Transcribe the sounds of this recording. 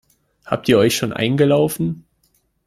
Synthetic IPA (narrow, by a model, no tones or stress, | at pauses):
ha̰ːp̚tiːɐʔɔʏçʃoːnʔa̰ɪnɡəlaʊfn̩